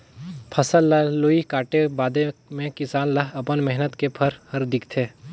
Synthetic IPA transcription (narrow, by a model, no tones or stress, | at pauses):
pʰɐsəlːaloːikaːʈebaːd̪emẽkɪsaːnlaɦɐpənmɛɦnət̪kepʰɐɾhɐɾd̪ɪkt̪ʰeː